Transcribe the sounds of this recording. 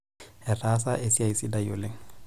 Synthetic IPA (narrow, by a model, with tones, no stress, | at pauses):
hɪ˨ra˦sa˦ʔe˨si˦a˨isi˦da˦ijolɪ˦ŋ̩